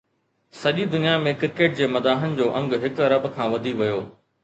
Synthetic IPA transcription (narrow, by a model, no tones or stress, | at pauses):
sɐʄid̪ʊnijamẽkɪɾkeːʈ̚d͡ʑeːmɐd̪aːɦənɪ̆d͡ʑoːʔɐ̃ŋɡɦɪkɐɾɐbkʰãːʋɐd̪ʱiʋɐjoː